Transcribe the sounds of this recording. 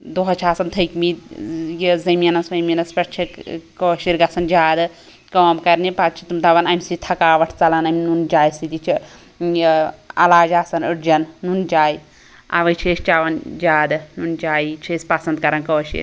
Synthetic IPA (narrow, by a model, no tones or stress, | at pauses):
d̪oɦɐt͡ʃʰaːsɐnt̪ʰɐjkmid̪jizɐmjɐnɐsʋɐmjɐnɐspɐʈt͡ʃʰikoːʃiɾɡɐsɐnd͡ʒaːd̪ɨ | koːmkɐɾnipat̪t͡ʃʰit̪umt̪ɐʋɐnɐmʲsit̪ʰɐkaːʋɐʈʰt͡sɐlɐnɐmʲnund͡ʒaːjsid̪it͡ʃʰi | jɐ̰laːd͡ʒaːsɐnɨʈd͡ʒɐnːund͡ʒaːj | a̰ʋɐt͡ʃʰest͡ʃaʋɐnd͡ʒaːd̪ɨnund͡ʒaːjt͡ʃʰesʲpɐsɐnd̪̚kɐɾɐnkoːʃḭɾ